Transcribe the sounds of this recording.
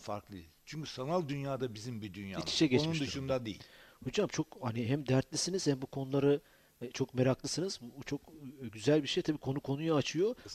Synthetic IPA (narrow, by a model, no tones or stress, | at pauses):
faɾklˠɯjḭz̥t͡ʃʰyɲcysanalˠd̪ynjaːd̪abizimbid̪ynja̰ːniʃɛɟɛt͡ʃnund̪uʃund̪ad̪ejḭlʲho̞d͡ʒamt͡ʃʰo̞khaniɦæmd̪æɾt̪lʲisiniz̥hæmbukʰo̞nulˠaɾɯ | t͡ʃʰo̞kmeɾaklˠɯsɯnɯzut͡ʃʰo̞kɟyzælʲbiʃejt̪ʰabiːkʰo̞nukʰo̞nujaat͡ʃʰɯjo̞